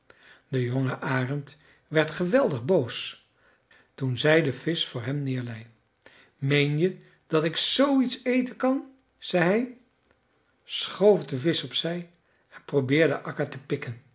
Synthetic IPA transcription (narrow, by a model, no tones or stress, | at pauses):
d̥əjoŋəʔaːrənt | ʋɛɹtχəʋɛlˠdəχbows | tunzɛjdəv̥ɪsfʊːɹɦɛmnɪːɹlɛj | mejnjə | d̥ɑtɪksowitsejtəkɑn | z̥ɛjɦɛj | sχowvdəvɪsɔpsɛj | ɛnprowbɪːɹdə̰ʔɑkəɹtəpɪkən